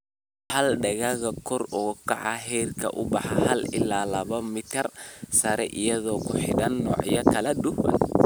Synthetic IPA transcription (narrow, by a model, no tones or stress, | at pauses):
hɐlɖɐɣɐɣɐkʰɔrɔːkʰɑʕɑ̰ɦɛːrkʰɐ̰ʔʊbɑħɑhɐlɪlaːlɐβɐmɪt̪ʰɪrsɐɾɛʔɪjɐðɔːkʰʊħɪɽɐnːɔːʕjɐkʰɐlɛɗʊwɐ̰n